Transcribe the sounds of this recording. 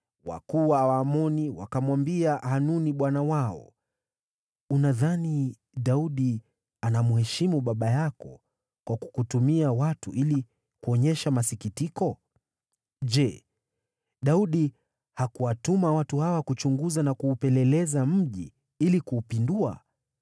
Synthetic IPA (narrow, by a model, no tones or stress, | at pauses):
wa̰kuwawamɔniwa̰kamwambiahanuniɓwanawaɔ̰ | unaðani | ɗauɗi | anamuhɛʃimuɓaɓajakɔ̰ | kwaku̥kutumiawatṵʔili | kuɔɲɛʃamasikitikɔ | ʄɛ | ɗauɗi | hakuwatumawatuhawakut͡ʃuŋɡuzanakuːpɛlɛlɛzam̩ʄi | ilikuːpindua̰